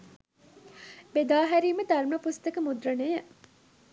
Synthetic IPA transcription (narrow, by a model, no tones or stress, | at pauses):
bed̪aːɦæɾiːməd̪ɐrməpust̪ɐkəmud̪rənejəʔ